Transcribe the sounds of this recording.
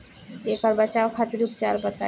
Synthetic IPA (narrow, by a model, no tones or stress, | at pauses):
ekaɾbat͡ɕaokʰat̪eɾup̚t͡ɕaɾbat̪a